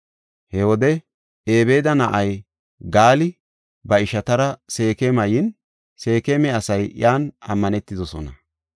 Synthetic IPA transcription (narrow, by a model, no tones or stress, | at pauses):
hɛwɔd̪ɛ | eːbe̞ːd̪ɐnɐʔɐj | ɡaːlɪ | bɐɪʃɐt̪ɐɾɐse̞ːkemɐjɪn | se̞ːkemɛɐsɐjjaːnɐmːɐnɛt̪ːɪd̪ɔsɔnɐ